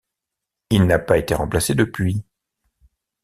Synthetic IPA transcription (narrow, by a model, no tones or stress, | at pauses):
ilnapaet̪eʁɑ̃plased̪əpɥi